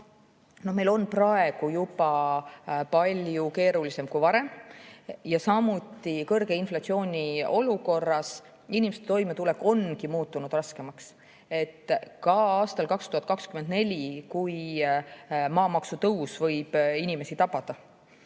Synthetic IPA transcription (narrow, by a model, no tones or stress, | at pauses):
no̞hme̞lo̞nprɑe̞ɡ̥ujupɑ | pɑlʲjuke̞ːɾulise̞mkujvɑɾe̞m | jɑsɑmut̪ːˑikɤrɡe̞inflɑt̪sio̞ːnʲio̞luko̞rːɑs | inʲimest̪et̪o̞jmet̪ulekːˑo̞nkimuːt̪ːˑunud̪̥rɑske̞mɑks | e̞t̪ːkɑɑːst̪ɑlkɑkst̪uhɑt̪̚kɑkskymend̪ne̞lʲikuj | mɑːmɑksut̪ɤwsvɤ̞jb̥inʲime̞sit̪ɑpɑd̪̥ɑ